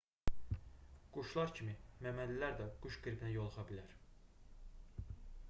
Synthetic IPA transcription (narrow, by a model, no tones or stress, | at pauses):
ɡ̥uʃlˠɑɾcʰimimæmænlːilæɾd̪æɡ̥uʃɡ̥ɯɾbinæjolˠɯχɑbilæɾ